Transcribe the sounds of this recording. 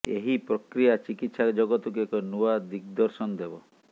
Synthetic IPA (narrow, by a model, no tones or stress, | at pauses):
eɦipɾɔkɾijat͡ʃikit̪sad͡ʒɔɡɔt̪ukuekɔnuad̪ik̚d̪ɔɾsɔnd̪ebɔ